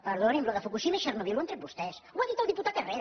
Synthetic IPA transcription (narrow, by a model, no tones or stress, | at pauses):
pəɾðonimbloðəfukuʃimeiʃərnoβiluent̪ɾebust̪ɛswaðit̪alˠd̪iput̪at̪ereɾ